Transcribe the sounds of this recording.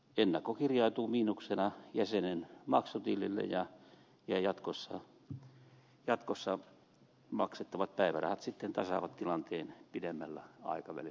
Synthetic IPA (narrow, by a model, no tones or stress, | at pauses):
enːɑkːokirjɑit̪uːmiːnuksenɑjæsenenmɑksut̪ilːilːḛjɑ | jɑjɑt̪kosːɑ | jɑt̪kosːɑ | mɑ̰kset̪ːɑʋɑt̪̚pæiʋæ̰rɑ̰hɑt̪sit̪ːent̪ɑsɑʋɑt̪t̪ilɑnt̪eːnpidemːælːæɑ̰ikɑʋæ̰li